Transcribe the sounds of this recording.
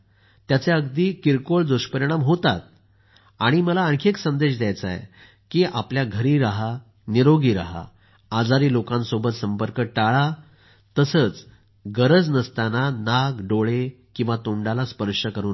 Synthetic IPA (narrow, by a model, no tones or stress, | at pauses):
t̪jat͡seəɡd̪iːkiɾkoɭd͡z̪oɕpəɾiɽ̃amɦot̪a̰t̪̚ | aɽ̃iməlaəŋkʰeksənd̪eɕd̪jajt͡sa̰ḛ | kiʔapljaɡʱəɾiːɾaɦa | niɾoɡiːɾa̰ɦa̰ː | d͡zaɾiːlokãnsobət̪səmpəɾkəʈaɭa | t̪əsəːt͡s | ɡəɾəd͡znəst̪ananaɡɖoɭekĩw̃ʋat̪oɳɖalaspəɾʂəkəɾuːn